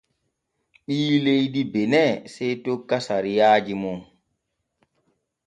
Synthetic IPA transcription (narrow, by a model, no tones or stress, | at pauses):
ɓiːlejdibɛnɛsɛjtokːasaɾijaːd͡ʒimɔ